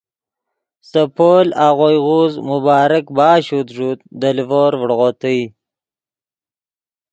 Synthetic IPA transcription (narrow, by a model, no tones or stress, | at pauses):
səpoːlaːʁojʁuzmʊbɑːɾakbɑːɕut̪ʐuːt̪̚d̪əlvoːɾvɽʁot̪əj